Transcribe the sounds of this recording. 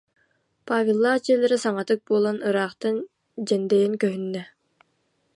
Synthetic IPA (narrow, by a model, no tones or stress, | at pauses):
paːvʲilˠːaːt͡ɕiɛlʲɛɾisaŋɑt̪ɯk̚buɔlˠɔnɯɾɑːqt̪ɯn | d͡ʑɛnd̪ɛjiŋkœɦynːɛ